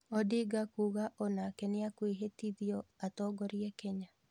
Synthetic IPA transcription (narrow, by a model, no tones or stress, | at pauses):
ɔdiɡakuːɣaʔɔnakɛneakweɦetiðiɔatɔːɡɔɾjɛkɛɲa